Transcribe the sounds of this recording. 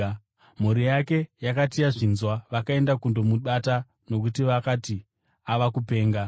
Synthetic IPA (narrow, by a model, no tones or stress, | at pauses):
m̤uɾijake̞jakatijaʐinzwaʋakae̞ndakundo̞muɓata | no̞kutiʋakati | aʋakupe̞ːŋɡa